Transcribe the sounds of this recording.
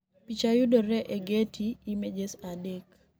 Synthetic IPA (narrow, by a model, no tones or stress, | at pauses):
pit͡ʃajudɔɾɛʔeɡetʰiːmed͡ʒesadɛk